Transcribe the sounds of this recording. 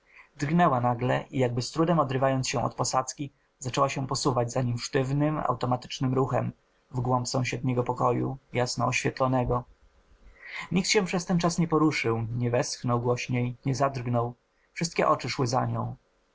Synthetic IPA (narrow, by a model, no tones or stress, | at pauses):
d̪rɡnɛwanaɡlɛʔijaɡ̚bɘst̪ɾud̪ɛmɔd̪ɾɘvajɔnt̪sɕɛ̃ɔ̰t̪̚pɔsat̪skʲi | zat͡ʂɛwaɕɛpɔsuvad͡ʑzaɲimʂt̪ɘvnɘma̰wt̪ɔmat̪ɘ̥t͡ʂnɘmɾuxɛm | vɡwɔmpsɔ̃w̃ɕɛd̪̚ɲɛɡɔpɔkɔjṵjasnɔɔɕfʲjɛt̪lɔnɛɡɔ | ɲik̚t̪ɕɛ̃pʂɛst̪ɛnt͡ʂasɲɛpɔɾuʂɘwɲɛvɛst̪xnɔwɡwɔɕɲejɲɛzad̪rɡnɔw | fʂɘst̪kʲɛʔɔt͡ʂɘʂwɘza̰ɲɔ̰̃w̃